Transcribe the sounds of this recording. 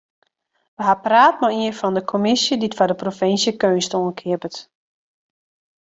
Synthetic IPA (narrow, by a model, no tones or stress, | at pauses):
ʋəɦapraːt̚maiənfɔndəkʰomɪsjəditfɔdəprofɪnsjəkøːnstoənkʰɪəpət